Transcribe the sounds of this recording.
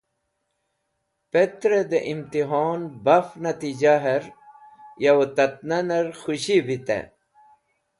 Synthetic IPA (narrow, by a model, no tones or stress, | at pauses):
pet̪ɾed̪eʔimt̪iɦoːnbɐfnɐt̪id͡ʑaɦɐɾ | jɐwot̪ɐt̪̚nɐnɐɾxuɕibit̪ḛ